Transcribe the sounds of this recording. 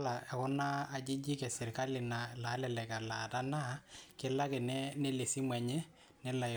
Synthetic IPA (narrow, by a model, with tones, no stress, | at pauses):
la˨ɛ˨kɔ˦naː˦˨d͡ʒɪ˦d͡ʒi˦kɛ˨sɪ˨ɾka˦lɪ˨na˨la˨˦lɛ˨lɛ˨ka˨la˨ta˦na˦kɪ˦la˦kɪ˨nɛ˦nɛ˦le˨si˦mwɛ˨ɲɛ˦ | nɛ˦la˨